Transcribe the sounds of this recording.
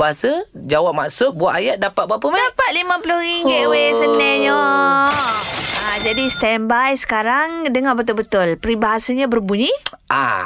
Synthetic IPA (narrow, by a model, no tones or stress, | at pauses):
aasa | d͡ʒawap̚ma̰ʔsʊt̪̚buaʔ̪ajat̪̚dapat̪̚bapəmadapat̪̚limãpulʊriŋɡɪt̪wesənlɛɲɔ | ad͡ʒadist̪ɛmbajsə̥kaɾaŋdəŋahbət̪ʊlbət̪ʊlpɾibaɦasaɲãbərbuɲiʔa̰